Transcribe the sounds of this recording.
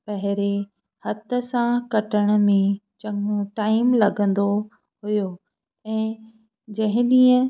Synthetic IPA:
pɐɦɪɾe | hɐt̪ə̆sãkɐʈəɽ̃̆mẽt͡ɕɐ̃ŋoʈaːɪmlɐɡʱə̃nd̪o | ɦujo | ɛ̃ː | d͡ʑɐ̃ɦɪ̃ɗĩːə̃

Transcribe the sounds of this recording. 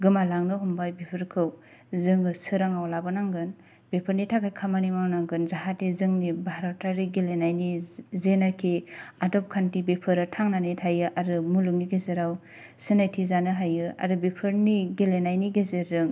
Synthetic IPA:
ɡɯmalaŋnɯɦumbajbepʰɯɾkʰɯw | zɯŋɯsɯɾaŋawlabɯnaŋɡɯn | b̥epʰɯɾnitʰakajkʰamanimawnaŋɡɯnzaɦatezɯŋnibaɾatʰaɾiɡelenajnizenakʰeadɔp̚kʰantibepʰɯɾɯtʰaŋnanitʰajɯʔaɾɯmuluŋniɡezeɾaw | sɯnajtʰizanɯɦajɯa̰ɾɯbepʰɯɾniɡelenajniɡezeɾɯŋ

